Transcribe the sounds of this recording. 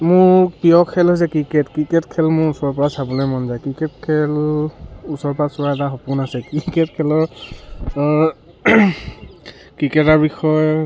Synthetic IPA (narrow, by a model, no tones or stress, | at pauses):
mʊɹpijɔkʰːɛlɦojs̬ɛkɹikɛtkɹikɛtkʰɛlmʊɹusɔɹpɔɹasabɔlɔjmɔnzajkɹikɛtkʰɛl | usɔɹpasʊɹaɛtaxɔpʊnasɛkikɛtkʰɛlɔɹ | kɹikɛtaɹbixɔj